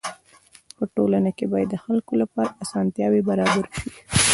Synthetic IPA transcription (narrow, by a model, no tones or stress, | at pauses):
pəʈolanakebɑjad̪ːəxalkolapɑɾaasɑnt̪jɑwebaɾɑbaɾʃi